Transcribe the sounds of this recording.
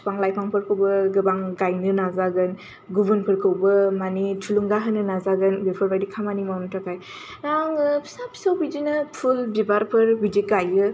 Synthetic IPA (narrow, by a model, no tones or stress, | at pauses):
spaŋlajpʰaŋpʰɯɾkʰɯwbɯɡɯbaŋɡajnɯnazaɡɯn | ɡubɯnpʰɯɾkʰɯwbɯmanitʰuluŋɡaɦɯnɯnazaɡɯnbepʰɯɾbajdikʰamanimawnɯtʰakʰaj | ɾaŋʰsapʰsawbid͡ʒinɯpʰulbibaɾpʰɯɾbidiɡajɯ